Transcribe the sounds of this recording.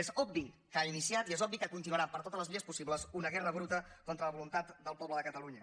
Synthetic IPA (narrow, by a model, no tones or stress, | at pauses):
ezɔb̚bi | kainisiat̪iezɔbikəkunt̪inuəɾapəɾt̪ot̪əzləzβiʎəspusiβləzunəɣɛrəβɾut̪əkɔnt̪ɾələβulunt̪at̪d̪əlˠpɔbləðəkət̪əluɲə